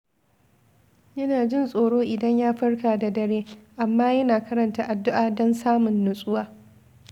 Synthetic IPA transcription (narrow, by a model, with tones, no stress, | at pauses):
jɐ˦naː˨d͡ʒɪ˦˨nsʼoː˨ɽoː˦ʔɪ˨dɐ˦ɲjaː˦ɸɐ˦rkaː˨da˨dɐ˨ɽeː˦ʔa˨mːaː˦jɐ˦naː˨kɐ˦ɾɐ˨ntaː˦˨ʔa˨dːʊ˦ʔaː˨dɔ˦nsaː˦mʊ˨nːʊ˨sʼʊ˦waː˨